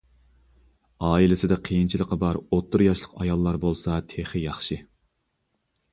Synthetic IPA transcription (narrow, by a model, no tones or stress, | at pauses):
ɑːilɪsɪd̪ɛqʰejint͡ʃʰilˠəqɑbɑɾot̪ʰːʊɾjɑʃlˠəqɑjɑlˠːɑɾbolˠsɑt̪ʰeχɨjɑχʃi